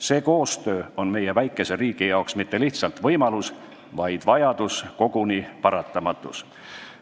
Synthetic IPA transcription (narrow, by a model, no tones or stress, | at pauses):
se̞ːko̞ːst̪ø̞ːo̞nme̞je̞væjkːˑe̞se̞ɾiːɡ̥ijɑoksmit̪ːe̞liht̪sɑlt̪ˑvɤjmɑlus | vɑjd̪̥vɑjɑd̪̥usko̞ɡ̥unipɑɾɑt̪ːˑɑmɑt̪ːˑṵs